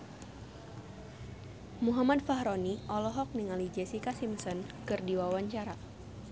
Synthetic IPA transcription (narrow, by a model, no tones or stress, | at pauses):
muɦamad̪faɦɾɔniʔɔlɔɦɔk̚niŋalid͡ʒɛsikasimsənkɨrdiwawaɲt͡ʃaɾa